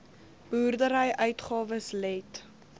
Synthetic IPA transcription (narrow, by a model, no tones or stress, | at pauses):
b̥əurdəɾəjʔœɥtχɑːvəslɛt